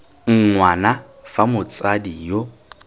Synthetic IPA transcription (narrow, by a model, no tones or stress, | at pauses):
ŋ̩ŋwana | famʊt͡sʼadijo